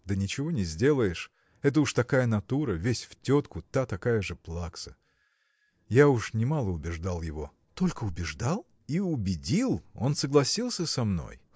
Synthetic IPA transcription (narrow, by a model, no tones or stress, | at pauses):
d̪ənʲɪt͡ɕɪvo̞nʲɪzʲdʲe̞lˠəjɪʂ | ɛt̪̬əuʂt̪ɐkajənɐt̪uɾəvʲesʲftʲo̞t̪kʊt̪at̪ɐkajəʐɨplˠaksə̥ | jaʊʂnʲɪmalˠəʊbʲɪʐd̪alˠjɪvo̞ | t̪o̞lʲkəʊbʲɪʐd̪alˠ | iʊbʲɪdʲilˠo̞̰nsəɡlˠɐsʲilˠsʲəsɐmno̰j